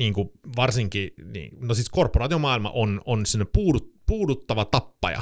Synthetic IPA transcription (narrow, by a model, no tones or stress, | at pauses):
niːŋkuʋɑrsiŋkinḭːnosiskorpːˑorɑːt̪iomɑːˑilmɑ̰ʔononsemonepuːdut̪puːdut̪ːɑʋɑt̪ɑpːɑ̰jɑ̰